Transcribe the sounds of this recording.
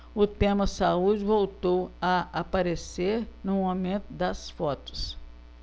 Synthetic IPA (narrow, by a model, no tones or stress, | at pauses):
ʊt̪ẽmɐsaud͡ʒɪvowt̪owɐapaɾeseɾnʊ̃õmẽt̪ʊd̪ɐsfɔt̪ʊ̥s